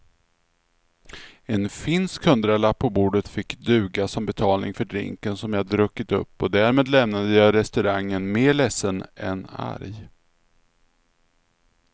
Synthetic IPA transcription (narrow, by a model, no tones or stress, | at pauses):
ɛnfɪnskhɵnd̪ɾalapʰːɔbuːɖət̪fɪkːd̪ʉ̟ːɡasɔmbɛt̪ʰɑːlnɪ̰ŋfœɖɾɪ̰ŋkənsɔmjɑhad̪əɾɵkːɪt̪ɵ̰pːɔd̪æɾmeːd̪lɛmnad̪əjɑːɾɛst̪ɵɾaŋːənmeːɭɛsːənɛ̰na̰ɾj